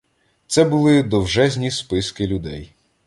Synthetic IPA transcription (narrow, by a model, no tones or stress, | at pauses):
t̪sɛbʊlˠɪd̪ɔwʒɛzʲnʲispɪskɪlʲʊd̪ɛj